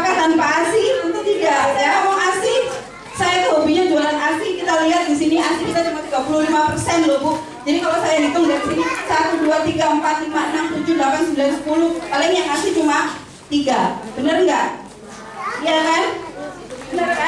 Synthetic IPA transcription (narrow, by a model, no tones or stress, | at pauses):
akat̪anpaasit̪ənt̪ut̪iɡasajaamaŋati | sajat̪uɦubiɲad͡ʒualanart̪ikit̪aliɦat̪̚disiniansikit̪at͡ʃumat̪iɡapululimapərsɛnlubʊk | d͡ʒadikalosajanat̪ʊŋiaisinisat̪uduat̪iɡaəmpat̪̚limaənamt̪ud͡ʒudlapansəmbilansə̥pulʊhalainjaŋasit͡ʃuma | t̪iɡabənərŋɡaʔ | ijakan